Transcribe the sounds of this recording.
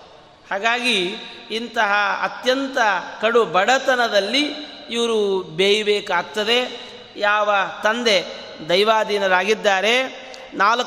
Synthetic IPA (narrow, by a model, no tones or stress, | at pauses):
haːɡaːɡiːnt̪ɐɦɐɐ̰t̪jɐnt̪ɐkɐɽubɐɽɐt̪ɐnɐd̪ɐlːiiʋɐɾubeːjɐbeːkaːk̚t̪ːɐd̪e̞ | jaːʋɐt̪ɐnd̪e̞ | d̪ɐjʋaːd̪iːnɐɾaːɡid̪ːaːɾe̞ | naːlɐ